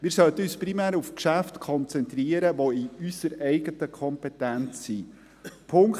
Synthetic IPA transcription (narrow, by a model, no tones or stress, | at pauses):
miːɾsœlt̪əyːsprimæːɾufkʃæftkʰɔnt͡sɛnt̪riəɾəʋoiysəɾɛɪɡətəkʰɔmpɛtænt͡sːi | pʰʊŋk